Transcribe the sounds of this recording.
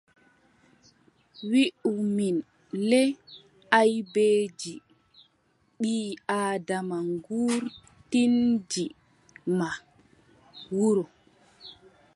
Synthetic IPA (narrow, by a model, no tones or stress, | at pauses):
wiʔumin | lɛ | ajbeːd͡ʒi | ɓiːaːdamaŋɡuːɾ | tind͡ʒi | ma | wuɾɔ